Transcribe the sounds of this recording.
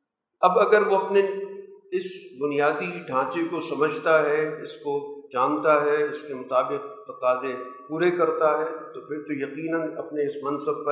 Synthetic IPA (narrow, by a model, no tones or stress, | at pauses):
ɐbɐɡəɾʋoɐpne | ɪsbʊnijaːd̪iɖʱãːt͡ʃekosɐməd͡ʒʱt̪aɦɛɪskod͡ʒaːnt̪aɦɛɪskemʊt̪aːbɪq̚t̪ɐqaːzepuːɾekɐɾt̪aɦɛːt̪opʰɪɾt̪ojɐqiːnənɐpneɪsmɐ̃nsəb̚pɐ